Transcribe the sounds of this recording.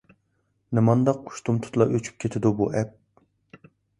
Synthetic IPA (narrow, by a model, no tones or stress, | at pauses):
nɨmɑnd̪ɑqʰu̥ʃt̪ʰumt̪ʰu̥t̪lˠɑʔøt͡ʃʰy̥p̚kʲʰet̪ʰɪd̪ubuʔɛp̚